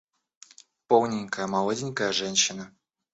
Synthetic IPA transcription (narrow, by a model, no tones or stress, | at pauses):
polˠnʲɪnʲkəjəmɐlˠodʲɪnʲkəjəʐɛnʲɕːɪnə